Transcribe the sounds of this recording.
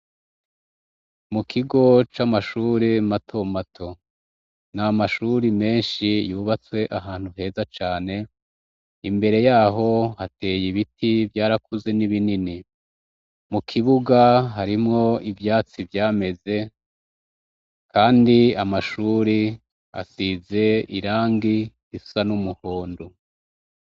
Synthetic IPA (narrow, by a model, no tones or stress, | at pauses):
mukʰiɡo̞t͡ʃamaʃuːɾimatʰo̞matʰo̞ | namaʃuɾime̞ːnʃijuːβat͡swe̞ʔaɦaːn̥huɦe̞ːzat͡ʃaːne̞ | imbe̞ɾe̞jaːɦo̞hate̞ːjiβitʰivjaːɾakuze̞niβinini | mukʰiβuɡaɦaɾimŋo̞ivjaːt͡sivjaːme̞ze̞ | kaːndiamaʃuɾi | a̰size̞iɾaːŋɡihisanumuhoːndo